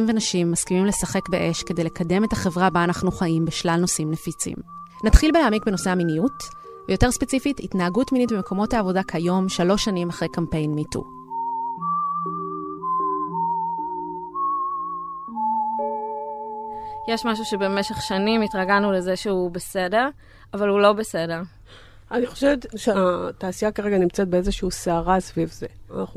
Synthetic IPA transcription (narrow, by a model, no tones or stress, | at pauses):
mvenaʃimːaskimimle̞saχe̞kbeʔe̞ʃkede̞jle̞kade̞me̞taχe̞vʁabaanaχnuχaʔimbeʃlalno̞simnefit͡sḭm | natχilbeleamikbenose̞aminijut | vejo̞te̞ʁspe̞t͡sifititnaaɡutminit̚bemeko̞mo̞taːvo̞dakʰajo̞mʃalo̞ʃːanimaχʁejkampe̞jnmitṵ | jeʃmaʃ̬uʃebe̞meʃe̞χʃanimitʁaɡanule̞zeʃeubese̞de̞ʁ | avalhulo̞bese̞de̞ʁ | ʔaniχoʃevet̪ʃeat̪aːsiakaʁeɡanimt͡sɛt̪̚beezeʃiuseaʁasvivzeanaχnu